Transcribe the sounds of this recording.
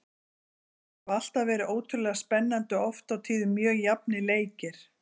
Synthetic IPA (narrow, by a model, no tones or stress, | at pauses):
val̥t̪avɛːɾɪʔoːwt̪ʰʏɾlɛɣaspɛnːant̪ʏɔft̪awt̪ʰiːðʏmjœːɣjapnɪleːjcɪɾ̥